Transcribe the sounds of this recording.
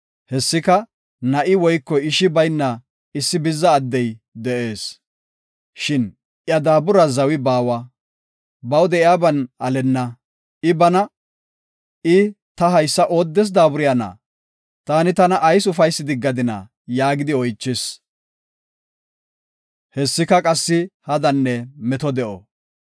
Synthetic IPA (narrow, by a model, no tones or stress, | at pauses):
hɛsːɪkɐ | nɐʔɪwɔjkːɔjɪʃɪbɐjnːɐ | ɪsːɪbɪzːɐːd̪ːɛjd̪ɛʔe̞ːs | ʃɪn | ʔjɐd̪aːbʊɾɐzɐwɪbaːwɐ | bɐwd̪ɛʔɪjaːbɐnɐlɛnːɐ | ɪbɐnɐ | ɪ | t̪ɐɦɐjsːɐʔo̞ːd̪ːɛs̬d̪aːbʊɾɪjanɐ̰ | t̪aːnɪt̪ɐnɐʔːjsʊfɐjsːɪd̪ɪɡːɐd̪ɪnɐ̰ | jaːɡɪd̪ɪɔjt͡ʃːɪs | hɛsːɪkɐkʼɐsːɪhɐd̪ɐnːɛmɛt̪ɔd̪ɛʔɔ̰